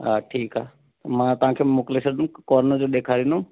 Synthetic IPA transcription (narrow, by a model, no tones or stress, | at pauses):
ɦaʈʰiːkaː | t̪mãt̪ʊɦãːkʰeːmʊklesəɾnũkɔːɾnəd͡ʒoɗ̪eːkʰaːɾinũ